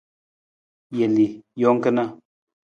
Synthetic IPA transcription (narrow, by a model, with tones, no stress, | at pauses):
je˨li˨jɔ˨˦ŋ̩˦kə˦na˦